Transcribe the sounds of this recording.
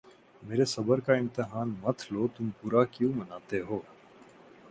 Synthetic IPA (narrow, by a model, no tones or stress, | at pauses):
meːɾesɐbəɾkaɪ̃mt̪ɪɦaːnmɐt̪ʰloːt̪ʊmpuːɾakjũːmɐnaːt̪eɦoː